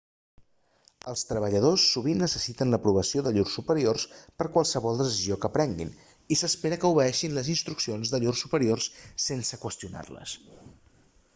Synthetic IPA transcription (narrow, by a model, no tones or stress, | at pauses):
əlˠst̪ɾəβəʎəð̞osːuβ̞inːəsəsit̪ənləpɾuβ̞əsioðəʎursːupəɾiorspəɾkwalˠsəβɔlˠd̪əsiziokəpɾɛŋɡḭn | isəspeɾəkəuβəɛʃinləzinst̪ɾuksionzðəʎursupəɾiorssensəkwəst̪iuna̰rlə̰s